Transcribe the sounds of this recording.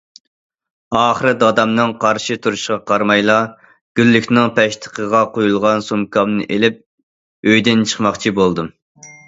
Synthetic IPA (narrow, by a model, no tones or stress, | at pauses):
ɑːχəɾɨd̪ɑd̪ɑmnɨŋqʰɑɾʃit̪ʰuɾuʃqɑqʰɑɾmɑjlˠɑ | ɡ̥ʲylːykʲnɪŋpʰɛʃt̪ʰə̥qʰəʁɑqojulˠʁɑnsumkʰɑmnɨ̰ʔelɪp̚ | øjd̪ɪnt͡ʃʰə̥χmɑχt͡ʃʰibolˠd̪ɨ